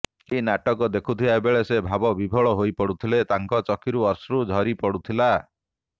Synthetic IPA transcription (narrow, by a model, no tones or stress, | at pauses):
kinaʈɔkɔd̪ekʰut̪ʰiaebeɭesebʱabɔbibʱɔɭɔɦojpɔɽut̪ʰilet̪aŋkɔt͡ʃɔkʰiɾuɔsɾud͡ʒʱɔɾipɔɽut̪ʰila